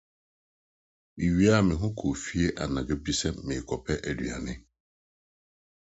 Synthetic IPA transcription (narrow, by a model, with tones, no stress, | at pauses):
i˨ɥi˦a˦˨mɪ̃˨ɦʊ̃˦kʰo˨fi˦e˦ʔa˨nã˨ɡa˨bi˦sɛ˦mɪ̃˨kʰɔ˨pʰɛ˦ʔɛ˨dɥa̰˨nɪ̃˦